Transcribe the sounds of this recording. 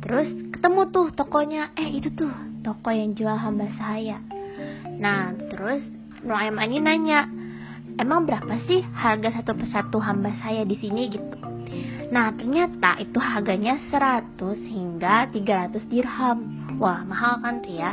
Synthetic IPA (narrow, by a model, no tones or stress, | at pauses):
t̪əɾʊskə̥t̪əmut̪ʊht̪ɔkɔɲaʔɛit̪ut̪ʊht̪ɔkɔjaŋd͡ʒualɦambasaja | naht̪əɾʊs | nuaimaninaɲa | emaŋbəɾapasɪhharɡasat̪upərsat̪uɦambasajadisiniɡit̪u̥ | naht̪ərɲat̪a̰ʔit̪uɦarɡaɲasəɾat̪ʊshiŋɡat̪iɡaɾat̪ʊsdirham | wahmaɦalkant̪uja